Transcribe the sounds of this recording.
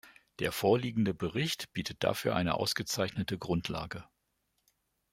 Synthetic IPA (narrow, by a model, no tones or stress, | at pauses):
d̥eːɐfoːɐliːɡŋ̩dəbəʁɪçtb̥iːtʰət̚d̥a̰fyːɐʔaɪnə̰ʔa̰ʊsɡ̥ət͡saɪçnətəɡʁʊntʰla̰ːɡə